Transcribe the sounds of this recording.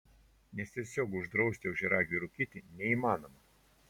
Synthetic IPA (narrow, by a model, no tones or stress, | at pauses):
nʲɛst̪ʲiɛsʲoːkʊʒd̪ɾɒʊsʲt̪ʲɪɛʊʒʲɛɾɑːɡʲuɾʊkʲit̪ʲɪnʲɛiːmɑːnomɐ